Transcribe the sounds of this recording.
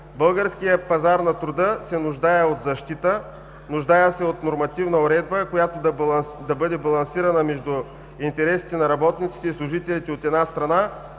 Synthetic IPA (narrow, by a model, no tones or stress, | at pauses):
bɤlˠɡəɾskijəpɐzaɾnɐt̪ɾʊd̪əsɛnʊʒd̪ajɛot̪zɐʃt̪it̪ə | nʊʒd̪ajəsɛot̪noɾmɐt̪ivnɐʊɾɛd̪̚bəkojat̪od̪ɐd̪ɐbɤd̪ɛbɐlˠɐnsiɾɐnəmɛʒd̪ʊ | int̪ɛɾɛsi̥t̪ɛnɐɾɐbɔt̪nit̪si̥t̪ɛislˠʊʒit̪ɛlit̪ɛot̪ɛd̪nast̪ɾɐna